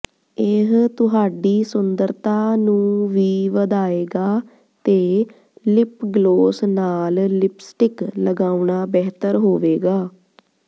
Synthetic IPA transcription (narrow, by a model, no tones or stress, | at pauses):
ɪɦt̪ʊɦaːɖiːsʊnd̪əɾt̪aːnũːʋiːʋəd̪aːeːɡaː | t̪eː | lɪpɡloːsnaːllɪpsʈɪkləɡaːuɳaːbɛːt̪əɾɦoːʋeːɡaː